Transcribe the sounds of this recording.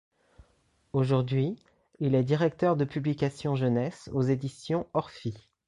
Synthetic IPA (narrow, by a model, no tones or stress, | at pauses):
oʒuʁd̪ɥi | ilɛd̪iʁɛk̚t̪œʁd̪əpyblikasjɔ̃ʒənɛsozed̪isjɔ̃ɔʁfi